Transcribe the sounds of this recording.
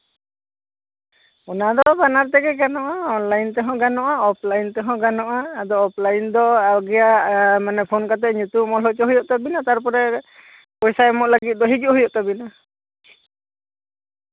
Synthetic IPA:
ɔnad̪ɔbanaɾt̪ɛɡɛkanɔʔaɔnlajnt̪ɛɦɔ̃ɡanɔʔaɔpʰlajnt̪ɛɦɔ̃ɡanɔʔaːd̪ɔːp̚ʰlajnd̪ɔaɡijamanɛpʰonkat̪ɛʔɲut̪umɔlɦɔt͡ʃɔɦujɔʔt̪abinat̪aɾpɔɾɛ | pɔjsaɛmɔʔlaɡit̪̚ˀd̪ɔɦid͡ʒuʔɦujɔʔt̪abina

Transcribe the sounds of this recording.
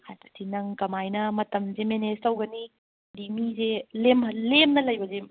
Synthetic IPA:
hʰajtɐ̥tʰinɐŋkɐmajnɐmɐtɐmzemenestɐwɡɐni | dimizelemɐlemnɐlɐjbɐze

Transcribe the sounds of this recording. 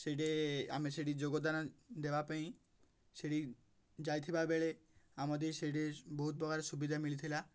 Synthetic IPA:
ʃeʈea̰miʃeʈ̬id͡ʑoɡod̪anad̪ebapeĩ | ʃeʈi | d͡ʑajt̪ʰibabeɭeamad̪eʃeʈ̬eboɦut̪̚bɔɡʱaɾeʃubid̪ʱamilit̪ʰila

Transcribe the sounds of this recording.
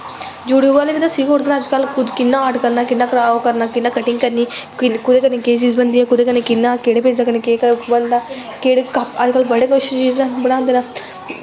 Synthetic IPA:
d͡ʒʊɽuʋaːleːbiːt̪aːsiːkɦoːɾd̪eːnaːd͡ʒkəlkʰʊd̪kɪnːãːaːʈkəɾnaːkɪnːaːkɾaːokəɾnaːkɪnːaːkəʈɪŋɡkəɾniːɪkʊd̪eːkəɾneːkeːt͡ʃiːzbənd̪iːɛ̃ːkʊd̪eːkənekɪnːãːkeːɽeːpeːd͡ʒd̪aːkəneːkeːkəbənd̪aː | keːɽekəd͡ʒkəlbəɽeːkoːʃɪʃt͡ʃiːznãːbəɽ̃ãːnd̪eːnaː

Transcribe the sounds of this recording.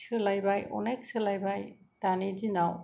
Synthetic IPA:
ɯlajbajɔ̰najk̚sɯlajbajdanidinaw

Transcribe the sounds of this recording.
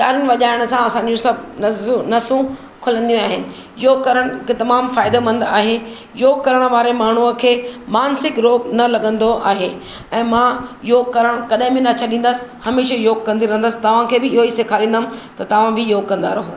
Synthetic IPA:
t͡ɕaːɾɪnɪʋɐʄaːɪɽ̃ə̆sãɐsãːɲ̆d͡ʑũsɐbnɐnɐsũ | kʰʊlə̃nd̪ijũaːɦɪnɪ̆ | joːɡ̚kɐɾəɽ̃kʰet̪ɐmaːmfaːɪd̪emɐ̃nd̪a̰ːɦe | joːɡ̚kɐɾəɽ̃ə̆ʋaːɾemaːɳ̤uəkʰeːmaːnsɪkɾoːɡnɐlɐɠə̃nd̪oʔa̰ːɦe | ɛ̃ːmãjoːɡ̚kɐɾəɽ̃kɐɗɦɪ̃bɪ̃nɐt͡ɕʰaɗĩːn̆d̪əsɪ̥hɐmeːʃejoːɡ̚kɐ̃nd̪iɾɐ̃ɦənd̪əsɪ̥t̪ɐʋ̤ãkʰeːbɪɪɦoiseːkʰaːɾĩːnd̪mt̪ɐt̪ɐʋ̤ãbɪjoːɡ̚kɐ̃nd̪a̰ːɾɐɦoː

